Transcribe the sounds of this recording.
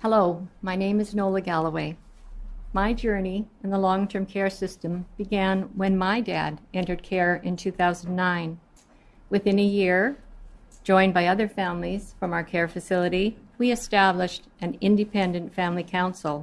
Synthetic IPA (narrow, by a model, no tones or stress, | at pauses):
hɛloʊmaɪnẽɪ̃mɨznoʊlˠəɡælˠəweɪ | maɪd͡ʒɜ˞niɨ̃nðəlɔ̃ŋtʰɜ̃˞mkʰɛɹsɪstɨ̃mb̥ɨɡæ̃nwɨ̃nmaɪdæ̰ɾɛ̃ntə˞d̚kʰɛɹɨ̃ntʰʉθaʊznnːãɪ̃n | wɨθɪ̃nɨjɪɹ | d͡ʒɔ̃ɪ̃nbaɪʌðə˞fæ̃mliz̥fɹʌ̃maʊə˞kʰɛɹfɨsɪlˠəɾiwiɨstæblɨʃtʔɨ̃nɪ̃ndɨpʰɛ̃ndɨ̃ntfæ̃mlikʰãʊ̃nsl̩ˠ